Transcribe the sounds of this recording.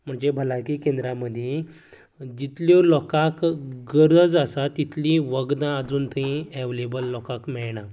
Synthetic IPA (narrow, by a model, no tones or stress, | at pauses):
m̤əɳd͡zebʱəlakikẽnd̪ɾaməd̪ʱje | d͡ʑit̪ljolɔkakɡəɾəd͡zəsat̪it̪lĩʋəɡd̪ãəd͡zuːnt̪əɦĩeʋlebəlːɔkakmɛɭɳa